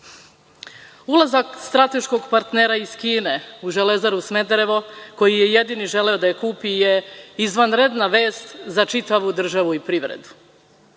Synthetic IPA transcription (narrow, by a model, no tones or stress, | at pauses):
ulˠazakst̪ɾat̪e̞ʃko̞ɡpaɾt̪ne̞ːɾaiz̥kiːne̞uʒele̞zaɾusme̞d̪ɾe̞ʋo̞ko̞jije̞je̞d̪iniʒe̞leod̪ajekuːpijeizʋanɾe̞d̪naʋe̞ːst̪zat͡ʃit̪aʋud̪r̩ʒaʋuipɾiʋɾḛd̪u